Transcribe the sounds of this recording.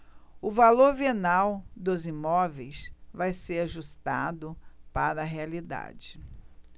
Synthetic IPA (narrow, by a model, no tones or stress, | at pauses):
ʊvaloɾvenawd̪ʊzimɔvejsvajseɾaʒust̪a̰d̪ʊpaɾɐːɦealid̪a̰d͡ʒɪ